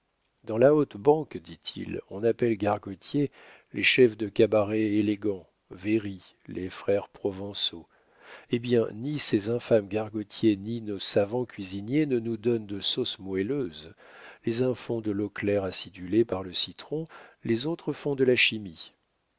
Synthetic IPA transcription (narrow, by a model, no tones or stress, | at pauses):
d̪̥ɑ̃laot̪bɑ̃kd̪it̪ʰḭlɔ̃napɛlɡaʁɡɔt̪je | lʔḛʃɛfd̪əkabaʁɛeleɡɑ̃ | veʁi | lʔefχɛʁpχɔvɑ̃so | ebjɛ̃nisezɛ̃famɡaʁɡɔt̪jeninosavɑ̃kʲɥizinjenənud̪ɔnd̪əsɔsmwɛløz | lezɛ̃fɔ̃d̪əlɔklɛʁasid̪ylepaʁləsit̪χɔ̃lezot̪χəfɔ̃d̪əlaʃimi